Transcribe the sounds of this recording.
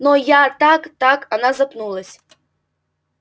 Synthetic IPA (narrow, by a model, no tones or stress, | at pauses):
nɔjat̪akt̪akanazapnulˠɐsʲ